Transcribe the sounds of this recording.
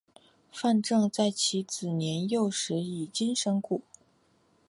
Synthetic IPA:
fa˥˧nʈ͡ʂɤ˥˧ŋt͡sa˥˩ɪt͡ɕʰi˧˥t͡sɹ̩˨˩njɛ˧˥njo˥˩ʊʂɻ̩˧˥i˨˩t͡ɕi˥ŋʂɤ˥ŋku˥˩

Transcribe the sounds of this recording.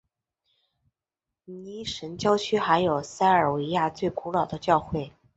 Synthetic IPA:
ni˧˥ʂə˧˥nt͡ɕjɑ˥ʊt͡ɕʰy˥xa˧˥ɪjo˨˩ʊsa˥ɪə˞˨˩we˧˥ɪja˥˧t͡swe˥˩ɪku˧˥lɑ˨˩ʊd̪ə˦t͡ɕjɑ˥˧ʊxwe˥˩ɪ

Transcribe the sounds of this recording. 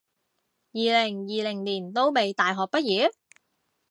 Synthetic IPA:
jiː˨lɪ˨˩ŋjiː˨lɪ˨˩ŋliː˨˩nt̪o˥wme˨jt̪aː˨jɦɔː˨k̚pɐ˥t̚jiː˨˥

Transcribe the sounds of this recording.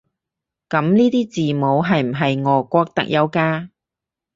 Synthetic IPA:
kɐ˨˥mniː˥t̪iː˥t͡siː˨mo˨˧wɦɐ˨jm̩˨˩ɦɐ˨jŋɔː˨˧kʷɔː˧k̚t̪ɐ̰˨˥k̚jʔɐ˨˧wkaː˧

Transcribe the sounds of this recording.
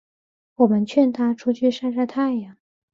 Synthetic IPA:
wɔ˨˩mə˦nt͡ɕʰɥɛ˥˩nt̪ʰa˥ʈ͡ʂʰu˥t͡ɕʰy˥˧ʂa˥˧ʂa˥ɪt̪ʰa˥˩ɪja˨˩

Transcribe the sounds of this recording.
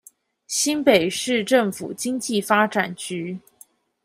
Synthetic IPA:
ɕi˥npe˨˩ɪʂɻ̩˥˧ʈ͡ʂɤ˥˩ŋfṵ˨˩t͡ɕi˥ŋt͡ɕi˥˩fa˥ʈ͡ʂa˨˩nt͡ɕy˥

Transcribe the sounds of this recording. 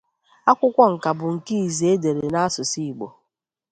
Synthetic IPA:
a˦kʷʊ˦kʷɔ˦ŋ̩˨ka˨bʊ˨ŋ̩˨ki˦i˨ze˨e˦de˨ɾe˨na˦a˦sʊ˨si˦˨i˨ɡ͡bo̰˨

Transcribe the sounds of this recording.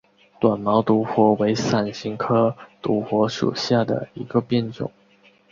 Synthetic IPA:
t̪wa˨˩nmɑ˧˥ʊt̪u˧˥xwɔ˧˥we˧˥ɪsa˨˩nɕi˧˥ŋkʰɤ˥t̪u˧˥xwɔ˧˥ʂṵ˨˩ɕja˥˩d̪ə̰˩i˧˥ɡə˧pjɛ˥˧nʈ͡ʂʊ̰˨˩˦ŋ

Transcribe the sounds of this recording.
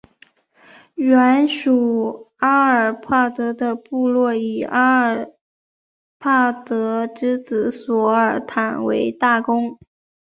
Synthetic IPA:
ɥɛ˧˥nʂu˨˩a˥ə˞˨˩pʰa˥˩t̪ɤ˧˥d̪ə˧pu˥˧lwɔ˥˩i˨˩a˥ə˨˩ | pʰa˥˩t̪ɤ˧˥ʈ͡ʂɻ̩˥t͡sɹ̩˧˥swɔ˧˥˩ə˞˨˩t̪ʰa˨˩nwḛ˧˥ɪt̪a˥˩kʊ˥ŋ

